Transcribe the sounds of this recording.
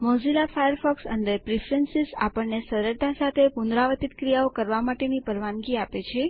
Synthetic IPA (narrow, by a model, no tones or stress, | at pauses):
mɔ̃zilafajəɾfɔksəɳɖəɾpɾifɾənsisa̰pəɳnesəɾəɾd̪ʰʱasat̪ʰepund̪ɾaʋət̪it̪kɾijaokəɾʋamaʈenipəɾʋanɡiapet͡ʃʰe